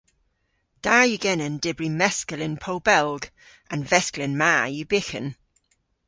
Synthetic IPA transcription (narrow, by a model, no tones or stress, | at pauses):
d̥aːjɨɡɛnənd̥ɪbɹimɛskəlɪnpʰowbɛlˠɡ | ãnvɛsklɪnmaːjubɪxə̰n